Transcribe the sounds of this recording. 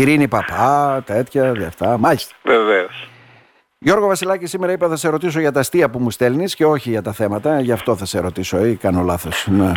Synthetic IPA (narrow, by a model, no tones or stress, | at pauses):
iɾinipɐpɐt̪et̪çɐðɐft̪ɐmɐʎist̪ɐ̥veveos | ʝo̞ɾɣo̞vɐsilɐcisimeɾɐipɐθɐse̞ɾo̞t̪is̬o̞ʝɐt̪ɐst̪iɐpumust̪elnisce̞o̞çiʝɐt̪ɐθe̞mɐt̪ɐʝɐft̪o̞θɐse̞ɾo̞t̪isoekɐnolɐθo̞snɐ